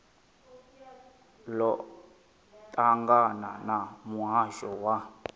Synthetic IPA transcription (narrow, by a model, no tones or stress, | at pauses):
lɔ | tʼaŋɡananamuɦaʒɔwa